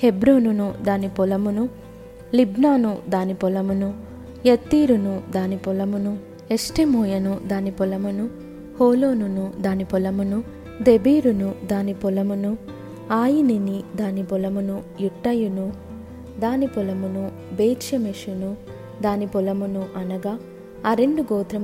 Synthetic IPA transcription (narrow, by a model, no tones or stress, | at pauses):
hebɾoːnunud̪aːnipɔlɐmunu | libnaːnud̪aːnipɔlɐmunu | jɐt̪ːiːɾunud̪aːnipɔlɐmunu | esʈemoːjɐnud̪aːnipɔlɐmunu | hoːloːnunud̪aːnipɔlɐmunu | d̪ebiːɾunud̪aːnipulɐmunu | aːjininid̪aːnipulɐmunujuʈːɐjunu | d̪aːnipulɐmunu | beːdʃɐmeʂunu | d̪aːnipulɐmunuʔɐnɐɡaː | ɾe̞ɳɖuɡɔːt̪ɾɐm